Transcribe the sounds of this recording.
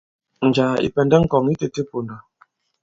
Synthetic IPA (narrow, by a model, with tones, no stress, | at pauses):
n̩˨d͡ʒa˨ḭ˨pɛ˨ndɛ˦ŋ̩˦kɔ˨ŋi˦te˦te˦po˨nda˨